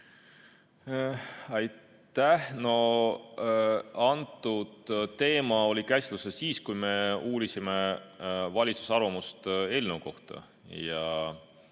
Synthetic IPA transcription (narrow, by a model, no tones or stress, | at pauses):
ɑjt̪ːæhno̞ | ɑnt̪ːˑud̪̥t̪ːe̞ːmɑo̞lʲikæslusesiːskujme̞uːɾisime̞ | vɑlʲit̪su̥sɑrvɑmust̪e̞lʲnewko̞̰ht̪ɑ̰ | jɑ